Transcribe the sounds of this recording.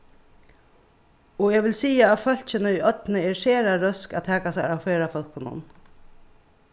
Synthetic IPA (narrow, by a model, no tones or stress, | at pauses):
ɔɛːʋɪlsiːaːtfœl̥t͡ʃɪnɪʊjœt̪nɪɛɾseːɾaɾœska̰t̪ʰɛːkasa̰ɾawfeːɾafɔl̥kɪnʊ̰n